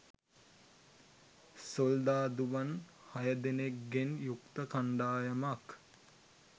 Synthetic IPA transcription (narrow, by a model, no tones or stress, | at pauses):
sold̪aːd̪uʋan | hajəd̪enek̚ɡenjukt̪əkaɳɖaːjəmak